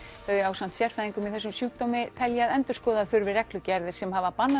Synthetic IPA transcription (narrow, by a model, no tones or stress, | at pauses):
ɛɛawsan̥t̪sjɛr̥fajðiŋkʏmiðθɛsːʏmsjuːk̚t̪owmɪt̪ʰɛljaðɛnt̪ʏɾ̥skɔːðaðfʏɾvɪrɛklʏcaɾðɪɾ̥sɛmhavapanːa